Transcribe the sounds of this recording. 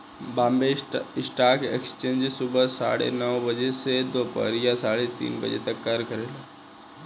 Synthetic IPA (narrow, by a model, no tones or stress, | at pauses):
bãːmbeɪsʈaːkḛkst͡ʃẽːɲd͡ʒsʊbəsa̰ːɽḛnəʋbəd͡ʒesed̪oːpə̰ɾjasaːɽet̪ḭːnbə̰d͡ʒḛt̪əkːaɾkəɾeːla